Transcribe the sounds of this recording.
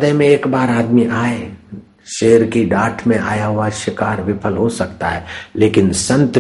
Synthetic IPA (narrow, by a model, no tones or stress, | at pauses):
d̪emẽeːkbaːɾaːd̪miʔaːe | ʃeːəɾkiɖaːʈʰmẽʔa̰ːjaɦʊwaʃɪkaːɾʋɪpʰəlɦosɐkt̪aɦɛːleːkɪnsə̃nt̪